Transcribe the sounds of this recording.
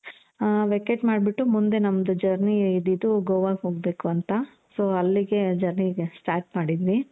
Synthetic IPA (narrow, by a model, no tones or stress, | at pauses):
ʋekeʈmaːɖbiʈːumund̪e̞nɐmːɐd̪ud͡ʒɐɾniid̪id̪uɡoːʋaːɡɦoːɡbe̞ːkuɐnt̪ɐ | soːɐlːiɡe̞d͡ʒɐɾnisʈaːɾʈ̚maːɽid̪iɾi